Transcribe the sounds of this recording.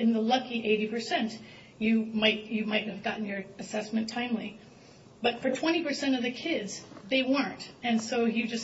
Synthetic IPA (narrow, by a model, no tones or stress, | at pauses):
ɨ̃nðəlʌkiʔeɪɾipə˞sɛ̃nt | jɨmaɪt̚ɨmaɪt̚hɨvɡɑʔn̩jə˞ɨsɛsmɨ̃ntʰãɪ̃mli | b̥ʌtfə˞tʰw̥ɛ̃ɾ̃ipə˞sɛ̃ɾ̃ʌvðɨkʰɪdz̥ðeɪwɜ̃˞ntɨ̃nsoʊjɨd͡ʒʌs